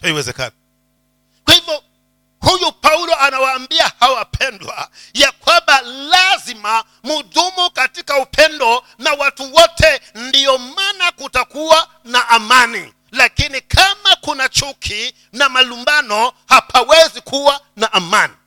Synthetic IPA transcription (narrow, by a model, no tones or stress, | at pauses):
taiwɛzɛ̰ka̰ni | kwahivjɔ | hujupaulɔʔanawaːmbiahawapʰɛndwa̰ | jakwambalazima | muðumukatikaupʰɛndɔ | nawatuwɔtʰɛndiɔmanakutakuwa | naʔːmanḭ | lakinikʰamakunat͡ʃukʰi | namalumbanɔhapʰawɛzikuwa | naʔamani